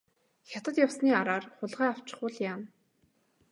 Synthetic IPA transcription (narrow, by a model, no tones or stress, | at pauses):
xʲat̪ə̆t̪jawsniːaɾaːrχʊɮʁæːaw̥t͡ɕɪ̆χʊːɮjaːn